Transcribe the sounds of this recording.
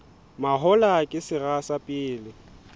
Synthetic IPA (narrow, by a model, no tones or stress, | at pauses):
maɦɔlakʼɪsɪrasapʼɪːlɪ